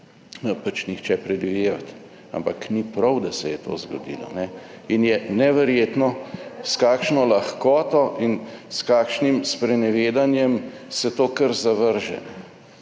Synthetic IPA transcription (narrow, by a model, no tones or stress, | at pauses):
nɔpat͡ʃnixt͡ʃɛpɾɛd̪ʋideːʋat̪ | a̰mpaknipɾɐwd̪ɐsɛjɛt̪o̰ːzɡɔ̰d̪ḭːlɔ̰nɛ | injɛnɛʋɛɾjeːt̪nɔskaːkʃnɔlaxkɔːt̪ɔʔinskaːkʃnimspɾɛnɛʋeːd̪anjɛm | sɛt̪oːkəɾzaʋəɾʒɛ̰nɛ